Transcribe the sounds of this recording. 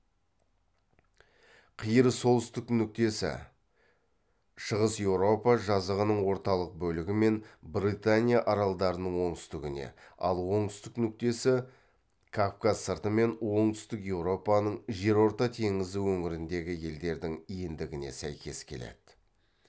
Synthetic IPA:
qʰijəɾəso̞lˠʏst̪ɪknʏk̚t̪e̞sɪ̰ | ʃəʁəsje̞wɾo̞pɑʒɑzəʁənəɴwo̞ɾt̪ɑlˠəq̚bɵlɪɡʲɪme̞nbrit̪anʲijaʔɑɾɑlˠd̪ɑɾənəɴwo̞ɴt̪ʏst̪ɪɡʲɪne̞̰ɑ̰lˠwo̞ɴt̪ʏst̪ɪknʏk̚t̪e̞sɪ | kʰofkazsəɾt̪əme̞nwo̞ɴt̪ʏ̥st̪ɪkje̞wɾo̞pɑnəɴʒe̞ɾwo̞ɾt̪ɑt̪ʰe̞ŋɪzɪwɵŋɪɾɪnd̪e̞ɡʲɪje̞ld̪e̞ɾd̪ɪŋijɪnd̪ɪɡʲɪne̞̰sæjkʲe̞̰skʲʰe̞̰le̞̰d̪̥ɪ

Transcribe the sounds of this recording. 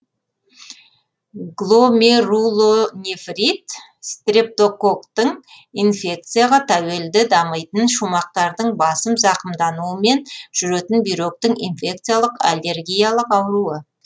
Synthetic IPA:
ɡlˠo̞merulˠonʲefrʲit̪ | st̪rʲep̚t̪o̞ko̞kt̪əɴ | infʲe̞k̚t̪sɨjaʁɑt̪ʰæwe̞ld̪ɪd̪ɑməjt̪ənʃumɑq̚t̪ɑɾd̪əɴbɑsəmzɑqəmd̪ɑnuəme̞nʒ̥ʏɾet̪ɪnbijɾo̞k̚t̪ɪŋḭnfʲe̞k̚t̪sɨjalˠəqa̰lʲːe̞rɡʲijalˠəqɑwəɾuə

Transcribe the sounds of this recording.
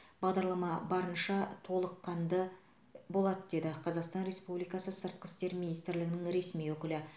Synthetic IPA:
b̥ɑʁd̪ɑɾlˠɑmɑbɑɾənʃɑt̪ʰo̞lˠəqːɑnd̪ə | bo̞lˠɑd̪əd̪e̞d̪ɪqʰɑzɑqst̪ɑnɾe̞spublijkɑsəsəɾt̪̚qɪ̥st̪e̞ɾminijst̪ɾlɪɡʲɪnɪŋɾe̞smijwɵkʲɪlɪ

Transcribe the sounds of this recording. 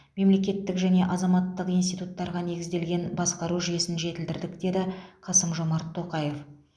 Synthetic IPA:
me̞mle̞kʲe̞t̪ːɪkʒæne̞ʔɑzɑmɑt̪ːəqijnst̪ijt̪ut̪ːɑɾʁɑne̞ɡʲɪzd̪e̞lɡʲe̞nbɑsqɑɾuʒʏje̞sɪnʒe̞t̪ɪld̪ɪɾd̪ɪkd̪e̞d̪ɪqʰɑsəmʒo̞mɑɾt̪ʰːo̞qɑje̞f

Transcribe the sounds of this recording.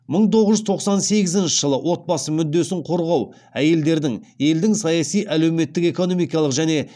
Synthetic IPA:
məɴt̪ʰo̞ʁəʒʏzt̪ʰo̞qsɑnse̞ɡʲɪzɪnʃɪʒəlˠəwʔo̞t̪̚bɑsəmʏd̪ːe̞sɪɴqʰo̞ɾʁɑw | æje̞ld̪e̞ɾd̪ɪŋje̞ld̪ɪŋsɑjɑsijʔæle̞wme̞t̪ːɪke̞ko̞no̞mijkɑlˠəqʒæne̞

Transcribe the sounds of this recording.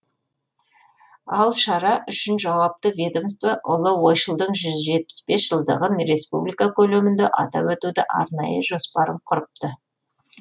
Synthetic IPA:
ɑlˠʃɑɾɑʔʏʃɪnʒɑwɑp̚t̪əvʲed̪omst̪vaʔʊlˠəwo̞jʃəlˠd̪əɴʒʏzʒe̞t̪̚pɪ̥spe̞sʒ̥əlˠd̪ə̰ʁənɾe̞spublʲijkakʲʰɵlemɪnd̪eʔɑt̪ɑ̰wɵt̪ud̪ɪʔɑ̰ɾnɑjəʒo̞spɑɾəmqʰʊɾəp̚t̪ə

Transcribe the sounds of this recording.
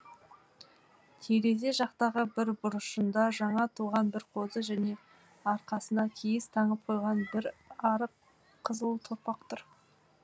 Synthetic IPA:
t̪ʰe̞ɾe̞ze̞ʒɑqt̪ɑʁəbɪɾbʊɾəʃənd̪ɑʒɑɴɑt̪ʰuʁɑnbɪɾqʰo̞zəʒæne̞ | ɑɾqɑsənɑkʲʰejɪst̪ʰɑɴəp̚qʰojʁɑnbɪɾɑɾəq | qʰːəzəlˠt̪ʰoɾpɑqt̪ʰʊɾ

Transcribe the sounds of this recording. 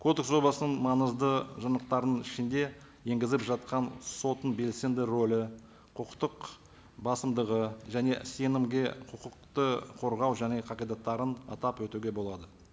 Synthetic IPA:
kʰo̞d̪ekso̞blˠɑsənəɴmɑnəzd̪əʒɑnəq̚t̪ɑɾənəɴɪʃɪnd̪e̞ | je̞ŋɡʲɪzɪpʒɑt̪̚qɑnso̞t̪ənbe̞lse̞nd̪ɪɾolɪ | qʰəqt̪əq | bɑsəmd̪əʁəʒæne̞se̞nɪmɡʲe̞qʰəqəq̚t̪əqʰo̞ɾʁɑwʒæne̞qʰɑqijd̪ɑt̪ːɑɾənɑ̰t̪ɑpwɵt̪uɡʲe̞bo̞lˠɑd̪ə

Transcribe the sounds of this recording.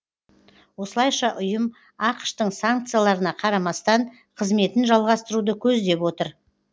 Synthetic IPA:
wo̞səlˠɑjʃɑʔʊjəm | ɑqə̥ʃt̪əɴsaŋk̚t̪sɨjalˠɑɾənɑqʰɑɾɑmɑst̪ɑɴ | qʰəzme̞t̪ɪnʒɑlˠʁɑst̪əɾud̪əkʲʰɵzd̪e̞pwo̞t̪əɾ

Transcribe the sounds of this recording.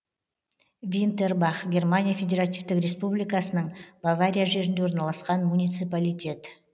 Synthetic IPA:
vʲint̪e̞rbɑχɡʲe̞rmanʲijafʲe̞dʲe̞ɾat̪ivt̪ɪkɾʲe̞spublijkasənəɴbavaɾʲijaʒe̞ɾɪnd̪eoɾnɑlˠɑsqɑnmunʲijt̪sɨpalʲijt̪ʲe̞t̪

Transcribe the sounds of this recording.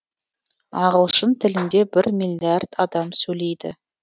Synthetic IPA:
ɑʁəlˠʃənt̪ʰɪlɪnd̪e̞bɪɾmʲijlʲiard̪̥ɑd̪ɑmsɵle̞jd̪ɪ̰

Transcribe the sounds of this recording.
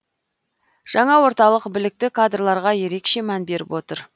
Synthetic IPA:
ʒ̥ɑɴɑwo̞ɾt̪ɑlˠəqbɪlɪk̚t̪ɪkʰad̪rlˠɑɾʁɑje̞ɾe̞kʃe̞mænbe̞ɾɪ̰pwo̞t̪əɾ

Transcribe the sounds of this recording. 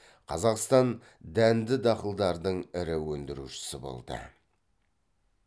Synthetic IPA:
qʰɑzɑqst̪ɑn | d̪ænd̪ɪd̪ɑqəlˠd̪ɑɾd̪əɴɪɾɪwɵnd̪ɪɾṵʃɪ̥sɪbo̰lˠd̪ə̰

